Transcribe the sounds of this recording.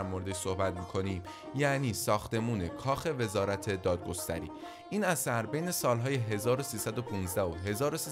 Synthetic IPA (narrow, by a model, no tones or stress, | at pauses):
ɾmoɾed̪eʃso̞hbæt̪̚miːkʰo̞niːm | jæniːsɒːxt̪e̞muːnekʰɒːxe̞ve̞zɒːɾæt̪ʰe̞d̪ɒːd̪̚ɡo̞st̪æ̰ɾḭː | ʔiːnæsæɾbejne̞sɒːlɦɒːjeɦe̞zɒːɾo̞siːsæd̪o̞pʰuːnzd̪æhoɦe̞zɒːɾosi